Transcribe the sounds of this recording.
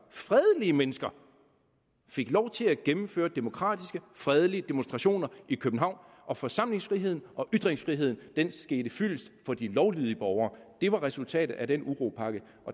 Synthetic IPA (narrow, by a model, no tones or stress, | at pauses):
fʁɛð̞ˠəliəmenəsɡ̥ɐ | fe̝ɡ̥lɒʊt͡sʰe̝læɡ̥emm̩fø̰ːɐd̥e̝mo̝kʰʁɑ̰̈ːd̥isɡ̥əfʁɛð̞ˠəliəd̥e̝monsd̥ʁɑ̈ɕo̝̰ːnɐikʰøb̥n̩ɦɑ̈ʊ̰n | ʔɒ̽fɒ̽sɑ̈m̰le̝ŋsfʁiɦe̝ð̞̰ˠn̩ɒ̽ʔyd̥ʁeŋsfʁiɦe̝ð̞̰ˠn̩d̥ensɡ̥e̝ːɾ̥əfyl̰əsd̥fɒ̽d̥ilɒʊlyð̞ˠəb̥ɒʊɐːd̥e̝ʋɑ̈ʁɛsult͡sʰɛ̰ːd̥ð̩ˠæd̥enuʁo̝ːpʰɑ̈ɡ̥ə | ʔɒ̽